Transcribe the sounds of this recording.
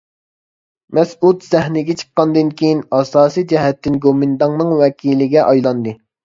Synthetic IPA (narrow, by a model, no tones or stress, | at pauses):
mɛsud̪zɛɦnɪɡʲɛt͡ʃʰə̥qːɑnd̪ɨnkʲʰijinɑsɑːsijd͡ʒɛɦɛt̪ːɪnɡomɪnd̪ɑŋnɨŋwɛkʲʰilɪɡʲɛʔɑjlˠɑnd̪ɨ